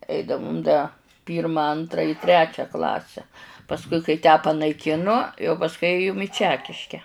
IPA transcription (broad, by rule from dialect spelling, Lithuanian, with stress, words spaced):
ˈɛɪdɐʋʊm dɐ ˈpʲiːrmɐ ˈɐntrɐ ɪ ˈtʲrʲæːt͡ʃʲæː ˈklˠɑːsʲæː pɐsˈkʊɪ kɐɪ tʲæː pɐnɐɪˈkʲɪnʊ jɛʊ pɐsˈkʊɪ ˈeːjʊm ɪ ˈt͡ʃʲæːkʲɪʃʲkʲɛ